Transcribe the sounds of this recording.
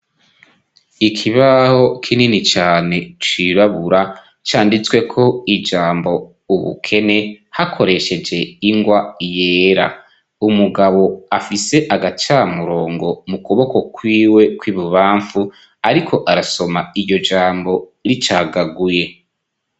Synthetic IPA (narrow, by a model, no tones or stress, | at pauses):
ikʰiβaho̞kʰininit͡ʃaːne̞t͡ʃwiβaβuɾa | t͡ʃaːndit͡swe̞kʰo̞id͡ʒaːmbo̞ | uβṵkʰe̞ne̞hakʰo̞ɾe̞ʃe̞d͡ʒe̞iŋɡwaijeːɾa̰ | umuɡaβo̞afise̞ʔaɡat͡ʃamuɾo̞ːŋɡo̞mukuβo̞ko̞kwiːwe̞kwiːβuβaːɱfu | aɾikʰo̞ʔaɾaso̞maiɾɟo̞d͡ʒaːmbo̞ɾit͡ʃaːɡaɡuje̞